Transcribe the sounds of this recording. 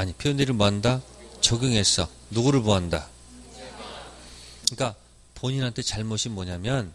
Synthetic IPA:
aɲipʰjojʌndeɾɯɭmoandat͡ɕʌɡjɯŋɦe̞s͈ʌ | nuɡuɾɯɭpoɦanda | iɲk͈a | poɲinɦantʰe̞t͡ɕaɭmʌɕʰinmːʌɲamjʌn

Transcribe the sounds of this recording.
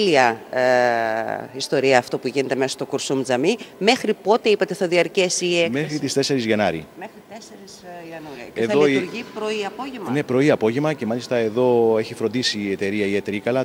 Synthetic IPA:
liɐ | ist̪o̞ɾiɐːft̪o̞puʝine̞t̪e̞mesɐst̪okuɾsumd͡zɐmime̞xɾipo̞t̪e̞ipɐt̪eθɐðiɐɾce̞siekmexɾit̪ist̪e̞se̞ɾizʝɐnɐɾḭmexɾit̪eseɾisɐnuɐðoiɾʝipɾoiɐpoʝene̞pɾo̞iɐpo̞ʝevmɐce̞mɐlist̪ɐe̞ðo̞e̞çifɾo̞nd̪isiːe̞t̪e̞ɾiɐiet̪eɾikɐlɐ

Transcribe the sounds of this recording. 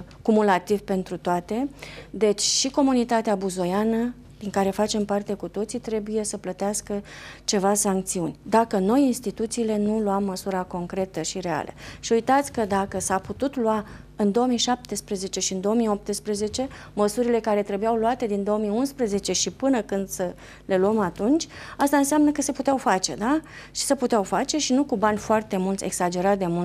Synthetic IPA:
kumulat̪ivpe̞nt̪ɾut̪oat̪e̞d̪e̞t͡ʃʲʃiko̞munit̪at̪eabuzo̞janə | d̪̥iŋkaɾe̞fat͡ʃe̞mpart̪e̞kut̪o̞t̪sit̪ɾe̞buje̞səplət̪easkət͡ʃe̞vasaŋkt̪siunʲd̪akəno̞jinst̪it̪ut̪siːle̞nuluamːəsuɾako̞ŋkɾe̞t̪əʃiɾe̞a̰lʔə̰ʃiujt̪at̪sʲkəd̪akəsaput̪ut̪lua | ɨnd̪o̞omiʃap̚t̪espɾeze̞t͡ʃe̞ʃiɨnd̪o̞omio̞p̚t̪espɾeze̞t͡ʃe̞ | məsuɾile̞kaɾe̞t̪ɾebujawluat̪e̞d̪ind̪o̞omiunspɾeze̞t͡ʃe̞ʃipɨnəkɨnd̪sə | le̞luəmat̪unt͡ʃʲast̪aɨnseamnəkəse̞put̪eawfat͡ʃe̞̰d̪a | ʃi̥səput̪eawfat͡ʃe̞ʃinukubanʲfoart̪e̞mult̪sʲe̞̰ɡ̥sad͡ʒe̞ɾat̪̚d̪e̞mul

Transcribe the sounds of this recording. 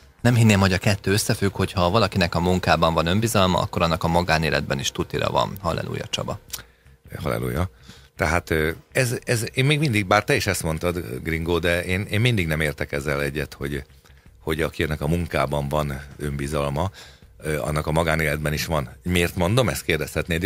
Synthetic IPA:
nɛmɦinːeːmɦo̞ɟɒkɛt̪ːøːøsːɛfykho̞chɒvɒlɒkinɛkɒmuŋkaːbɒɱvɒnømbizɒlmɒ̰ʔɒ̰kːoɾɒnːɒkɒmɒɡaːneːlʔɛ̰d̪̚bɛniʃt̪ut̪iɾɒ̰vɒ̰nhɒ̰lɛ̰lṵːjɒ̰t͡ʃɒ̰bɒ | hɒ̰lɛ̰lṵːjɒt̪ɛɦaːt̪øɛzɛzeːmmeːɡmind̪iɡ̚baːrt̪ɛiʃɛst̪mo̞nt̪ɒd̪ɡriŋɡoːd̪ɛʔeːneːmmind̪iɡnɛmeːrt̪ɛkɛzːɛlɛɟːɛt̪ho̞ɟ | ho̞ɟɒkiɛnɛkɒmuŋkaːbɒɱvɒnø̞mbizɒlmɒ | ɒ̰nːɒkɒmɒɡaːneːlɛd̪̚bɛniʃʋɒnmeːrt̪mo̞nd̪o̞mɛst̪keːrd̪ɛshɛt̪neːd̪

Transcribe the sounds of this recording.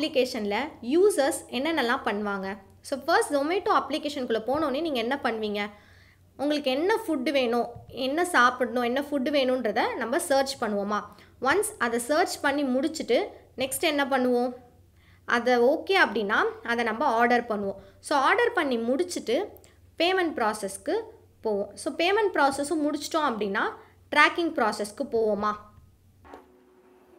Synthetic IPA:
ɐplɪkeːʂɐnlɐjuːsɐɾsɛnːɐnːɐlːãːpɐɳːʋaːŋɡɐ | soːfɐɾsʈd̪ʊmːeɪʈːõɐplɪkeːʂɐnkɯɭːɐpoːnõːnːeniːŋɡɐɛnːɐpɐɳːɯʋiːŋɡɐ | ʊŋɡɐɭɯkːɯɛnːɐfʊɖɯʋeːɳʊ̃ːɛnːɐsaːpɯɽɐɳʊ̃ːɛnːɐfʊɖːɯʋeːɳʊ̃ndɾɐðɐnɐmbɐsɐːɾt͡ʃpɐɳːɯʋomaː | ʋɐnsɐðɐsɐːɾt͡ʃpɐɳːimʊɽɪt͡ʃːɯʈːɯnɛksʈɛnːɐp̬ɐɳːɯʋõː | ʔɐðɐoːkːeːɐpːɐɽɪnːaːɐðɐnɐmbɐaːɾɖɐɾpɐɳːɯʋõːsoːaːɾɖɐɾpɐɳːimʊɽɪt͡ʃːɯʈːɯ | peːmɛɳʈ̚pɾaːsɛskɯ | poːʋʊ̃soːpeːmɛɳʈ̚pɾaːsɛsɯ̃mʊɽɪt͡ʃːɯ̥ʈːõːɐpːɐɽɪnːaː | ʈɾaːkɪŋɡpɾaːsɛskɯpoːʋʊmaː

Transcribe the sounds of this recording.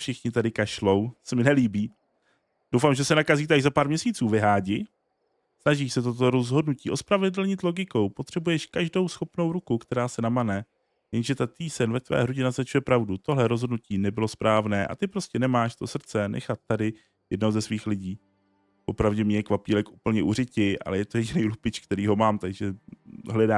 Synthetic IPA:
fʃɪxɲɪt̪adɪkaʃlo̞wsɛmɪnɛliːbiː | d̥owfaːmʒɛsɛnakaziːt̪̬aɡzapaːɾmɲɛsiːt͡suːvɪɦaːɟɪ | snaʒiːʃsɛt̪o̞t̪̬o̞ɾo̞zɦo̞dnuciːo̞spɾavɛdl̩ɲɪt̪lo̞ɡɪko̞wpo̞t̪r̥ɛbujɛʃkaʒdo̞wsxo̞pno̞wɾukukt̪ɛɾaːsɛnamanɛ | jɛnʒɛt̪at̪iːsɛnvɛt̪vɛ̰ːɦɾuɟɛnaznat͡ʃujɛpɾavdut̪o̞ɦlɛɾozɦodnuciːnɛbɪlospɾaːvnɛːʔa̰t̪ɪpɾo̞scɛnɛmaːʃt̪o̞sr̩t͡sɛnɛ̰xat̪̚ːadɪ | jɛdnozɛsviːxlɪɟiː | po̞pɾavɟɛmɲɛkvapiːlɛkʔupl̩ɲɛʔurɪcɪʔa̰lɛjɛt̪ojɛɟɪnɛjlupɪt͡ʃkt̪ɛɾiːɦo̞maːmt̪aɡʒɛɦlɛdaː

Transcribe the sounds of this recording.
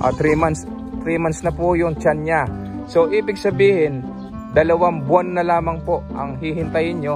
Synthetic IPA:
ʔɐ̰t̪ɾimans | t̪ɾiːmansnɐpujʊŋt͡ʃanɲa | so̞ʔiːbɪɡ̚sɐbiːhɪn | d̪ɐlɐwaŋbʊanːɐlaːmɐŋpo̞ʔʔɐ̰ŋhihɪnt̪ɐjɪnɲo

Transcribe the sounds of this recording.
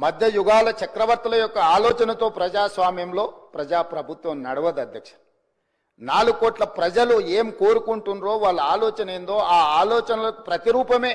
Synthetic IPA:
mɐd̪ʱjɐjuɡaːlɐt͡ʃɐkɾɐʋɐɾt̪ɐlɐjɔkːɐaːloːt͡ʃɐnɐt̪o̞ːpɾɐd͡ʒaːsʋaːmjɐmlo̞ːpɾɐd͡ʒaːpɾɐbʱut̪wɐmnɐɽɐʋɐd̪ɐd̪ʱjɐkʂɐɾɐ | naːluɡoːʈlɐpɾɐd͡ʒɐlueːmko̞ːɾukuɳʈunɾo̞ːʋaːɭːɐaːloːt͡ʃɐne̞ːnd̪o̞ːaːaːlɔːt͡ʃɐnɐlɐpɾɐt̪iɾuːpɐme̞ː

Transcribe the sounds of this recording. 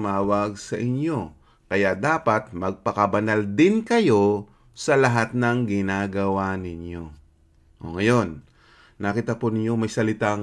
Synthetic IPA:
maːwɐɡsɐʔɪnjo̞ | kɐjaʔd̪aːpɐt̪̚mɐɡ̚pɐkɐbɐnald̪ɪnkɐjo̞ | sɐlɐɦat̪̚nɐŋɡɪnaːɡɐwanɪɲjo̞ | ʔo̰ŋɐjo̞nː | akiːt̪ɐponɪɲjo̞mɐjsɐlɪt̪a

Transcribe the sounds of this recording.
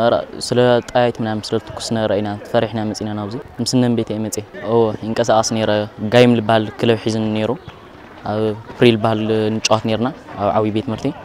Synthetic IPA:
ɾ̰sɨlɐt̪ʼajajt̪mɨnamsɨlɐt̪ʰɨ̥kʰːu̥snɐɾɐʔinat̪ʰɨ̥fɐɾiħnamɐt͡sʼinanaβzimsɨnːɐnbet̪ʰemɐt͡sʼeʔɨwoɨŋkʼɐsaχʼɐsneɾɐɡajmlɨbahalkʰɨlɐβħizɨnne̞ɾu | ʔaβpɾilɨbahalnɨt͡ʃʼot̪ne̞ɾnaaβʕa̰wibet̪mɨɾt̪ʰi

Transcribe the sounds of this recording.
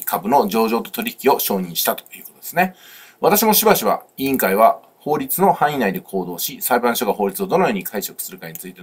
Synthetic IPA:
kʰabɯ̟no̞d͡ʑo̞ːʑo̞ːt̪ot̪o̞ɾʲiç̥kʲio̞ɕo̞ːɲ̟ĩɰ̃ɕi̥t̪at̪o̥jiɯ̟ːko̞t̪od̪esɨne̞ | βat̪aɕ̬imo̞ɕibaɕiβa̰iĩŋkaiβa | ho̞ːɾʲit͡sɨno̞hãɰ̃ĩnaid̪e̞kʰo̞ːd̪o̞ːɕisaibãɕoɡaɦo̞ːɾʲit͡sɨo̞d̪onojo̞ːɲ̟ikʰaiɕokɯ̥sɨɾɯ̟kaɲ̟it͡sɨit̪e

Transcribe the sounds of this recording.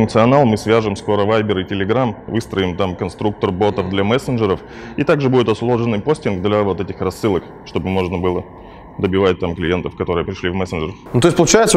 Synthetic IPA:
ʊŋk̚t̪sɨɐnalˠmɨsvʲaʐɨmsko̞ɾəvajbʲɪɾɪtʲɪlʲɪɡɾamvɨst̪ɾəɪmt̪amkɐnst̪ɾuk̚t̪ərbo̞t̪əvd̪lʲamɛsənʐɨɾəf | it̪aɡʐɨbudʲɪt̪ɐslˠo̞ʐɨnːɨjpo̞sʲtʲɪnɡd̪lʲavo̞t̪ɛtʲɪxɾɐsːɨlˠək | ʂt̪o̞bɨmo̞ʐnəbɨlˠə | d̪əbʲɪvat̚ʲt̪amklʲɪje̞nt̪əfkɐt̪o̞ɾɨjəpɾʲɪʂlʲivmɛsənʐərnʊt̪o̞ɪsʲpəlˠʊt͡ɕæjɪt̪sə

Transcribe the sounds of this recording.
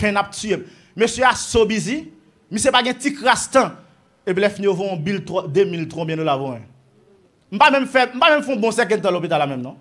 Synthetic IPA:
pɛ̃nap̚tyemː | øsjøasobizi | misepaɡɛ̃tikɾast̪ã | epilɛfinijovɔ̃ɔ̃bilt̪ɔd̪emilt̪ʁɔ̃bjɛ̃ndolavõɛ̃ | m̩pamɛ̃mfɛm̩pamɛ̃mfɔ̃bɔ̃sɛk̬ɛ̃t̪̬ãlopit̪alːamɛ̃mnɔ̃

